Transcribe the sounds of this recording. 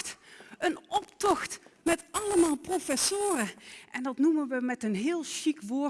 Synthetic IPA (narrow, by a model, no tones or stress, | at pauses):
tənɔptɔxtmɛtɑləmaːlˠprofɛsʊːrəʔɛndɑtnumənʋəmɛtənɦɪːlˠʃikʋʊː